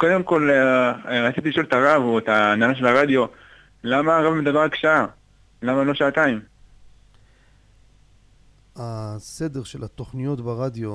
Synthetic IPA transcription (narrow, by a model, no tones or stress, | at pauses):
ko̞d̪e̞mko̞l | ʁat͡sit̪iliʃo̞let̪aʁavoet̪aːnalaʃ̬e̞laʁad̪jo̞ | lamaʁavmed̪abeakʃaa | lamalo̞ʃaat̪aim | ase̞d̪e̞ʁʃe̞lat̪o̞χnijo̞t̪baʁad̪jo̞